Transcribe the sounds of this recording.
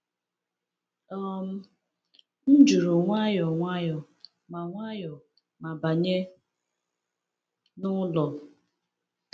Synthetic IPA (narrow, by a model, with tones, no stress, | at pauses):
ɔ˦m̩˦ | n̩˦d͡ʒu˨ɾu˨ŋʷa˦jɔ˨ŋʷa˦jɔ˨ | ma˨ŋʷa˦jɔ˨ | ma˨ba˨ɲe˦ | nʊ˦lɔ˨